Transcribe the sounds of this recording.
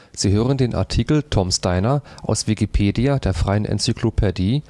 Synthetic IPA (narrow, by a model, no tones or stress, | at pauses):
z̥iːɦøːʁəndeːnʔa̰ɐtʰiːkl̩tʰɔmstaɪnɐʔa̰ʊsv̥ikipʰeːdiadeːɐfʁ̥aɪənʔɛ̰nt͡sykʰlopʰediː